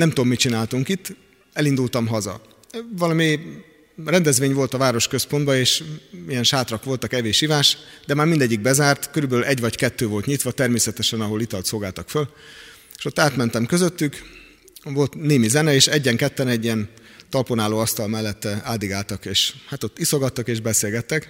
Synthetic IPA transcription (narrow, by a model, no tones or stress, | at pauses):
nɛmt̪omːit͡ʃinaːlt̪uŋkit̪ː | ɛlind̪ult̪ɒmɦɒzɒ̰ | vɒlɒmi | rɛnd̪ɛzʋeːɲvo̞lt̪ɒvaːɾo̞ʃkø̞spo̞nd̪bɒeːʃijɛnʃaːt̪rɒkʋo̞lt̪ɒkɛveːʃivaːʃd̪ɛmaːɾmind̪ɛɟːiɡ̚bɛzaːrt̪køɾybɛlylʔɛɟvɒckɛt̪ːøːvo̞lt̪ɲit̪ʋɒt̪ɛrmeːsɛt̪ɛʃɛnɒɦo̞lit̪ɒlt̪soːɡaːlt̪ɒkføl | eʃo̞t̪ːaːt̪mɛnt̪ɛmkøzøt̪ːyk | vo̞lt̪neːmizɛnɛeːʃɛɟːɛŋkɛt̪ːɛnɛɟːiɛn | t̪ɒlponaːloːɒst̪ɒlmɛlːɛt̪ːɛaːld̪iɡaːlt̪ɒkeːʃhat̪o̞t̪ːiso̞ɡɒt̪ːɒkeːʒbɛseːlɡɛt̪ːɛk